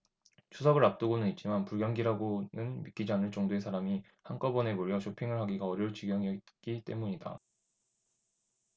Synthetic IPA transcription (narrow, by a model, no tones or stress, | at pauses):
t͡ɕʰusʰʌɡɯɭɾap̚t͈ɯɡonɯnit̚t͡ɕ͈imanpuɭɡjʌŋɡiɾaɡonɯnmik͈id͡ʑanɯɭt͡ɕ͈ʌŋdoe̞sʰaɾami | hank͈ʌbʌne̞moɾjʌɕʰopʰiŋɯɭɦaɡiɡaʌɾjʌɭt͡ɕiɡjʌŋiʌtk͈it͈e̞̰muɲida̰